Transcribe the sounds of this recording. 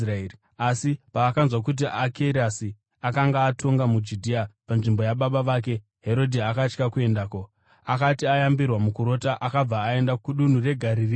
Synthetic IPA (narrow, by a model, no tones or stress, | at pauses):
ae | asipaːkanzwakut̬iʔakʰeɾasi | akaŋɡaːtʰo̞ŋɡamud͡ʒudʱiapanʐimbo̞jaɓaɓaʋak̬e̞ | ɦe̞ɾo̞dʱiakat͡ʃkakue̞ndaːko | akatiajambirwamukuɾo̞taʔakab͡vaːe̞ndauɗun̤ure̞ɡʱaɾiri